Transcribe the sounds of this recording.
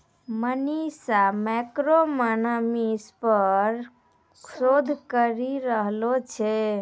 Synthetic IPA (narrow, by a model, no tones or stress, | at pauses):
mənisamɛkɾomənəmispəɾ | kʰsod̪ʱkəɾiɾəɦlot͡ʃʰɛ